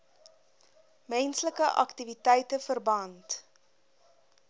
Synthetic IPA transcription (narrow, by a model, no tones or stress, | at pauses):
mɛnsləkəʔɐ̰ktivitɛjtəfərbɐnt